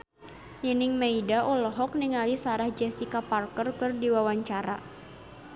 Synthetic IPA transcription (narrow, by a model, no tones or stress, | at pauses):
jənɪŋmaidaʔɔlɔɦɔk̚niŋalisaɾahd͡ʒɛsikaparkərkɨrdiwawaɲt͡ʃaɾa̰